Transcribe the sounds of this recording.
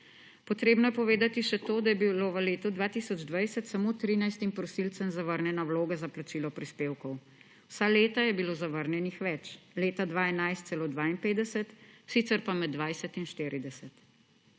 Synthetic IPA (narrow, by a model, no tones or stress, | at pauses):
pɔt̪ɾeːbnɔjɛpɔʋeːd̪at̪iʃɛt̪oːd̪ajɛbiloʋəleːt̪ud̪ʋaːt̪isɔd͡ʒd̪ʋajsɛt̪samoːt̪ɾiːnajst̪impɾɔsilt̪sɛmzaʋəɾnʲjɛnawloːɡazaplat͡ʃiːlɔpɾispeːwkɔw | wsaleːt̪ajɛbilozaʋəɾnjɛnixʋɛt͡ʃleːt̪ad̪ʋaːɛnajst̪sɛloːd̪ʋaːinpeːd̪ɛsɛt̪sit̪sɛɾpamɛd̪ːʋajsɛt̪inʃt̪eːɾid̪ɛsɛt̪